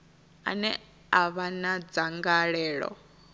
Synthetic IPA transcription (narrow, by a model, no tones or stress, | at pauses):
a̰nɛ | aβanad͡zaŋɡaɺɛːɺɔ̰